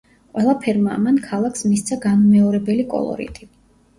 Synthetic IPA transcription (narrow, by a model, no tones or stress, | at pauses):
qʼwɛlˠapʰɛɾmamankʰalˠaksmist̪sʰaɡanmɛɔɾɛbɛlikʼɔ̰lˠɔ̰ɾḭt̪ʼi